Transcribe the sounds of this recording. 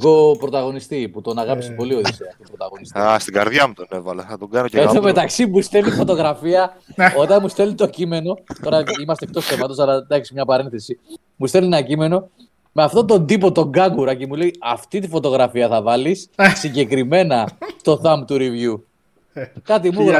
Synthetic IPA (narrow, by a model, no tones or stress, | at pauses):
ɣo̞pɾot̪ɐɣo̞nist̪iput̪o̞nɐɣɐpi̥si̥po̞lio̞ðiseɐft̪ipɾot̪ɐ̰ɣo̞nist̪iast̪iɡɐ̰ɾðʝɐmut̪onevɐlɐθɐt̪oɡɐnoc̪omet̪ɐksimust̪e̞lifo̞t̪o̞ɣɾɐfiɐo̞t̪ɐnmust̪e̞lit̪o̞cime̞no̞t̪o̞ɾɐimɐst̪ek̚t̪o̞sθemɐt̪o̞sɐlɐd̪ɐçisimɲɐpɐɾe̞nθe̞si | must̪e̞lienɐcime̞no̞ | me̞ɐft̪ot̪̬o̞nd̪ipo̞t̪o̞ŋɡɐŋɡuɾɐcemule̞iɐft̪it̪̬ifo̞t̪o̞ɣɾɐfiɐθɐvɐlissiɲɟe̞kɾime̞nɐst̪o̞θɐmbt̪uɾivʝu | kɐt̪̬imuɾɐ